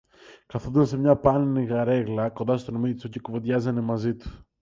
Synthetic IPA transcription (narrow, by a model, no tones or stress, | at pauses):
kɐθoðunsemɲɐpɐniniɣɐɾe̞ɣlɐko̞nd̪ɐst̪onomit̪isocikovot̪ʝɐzɐnemɐzit̪u̥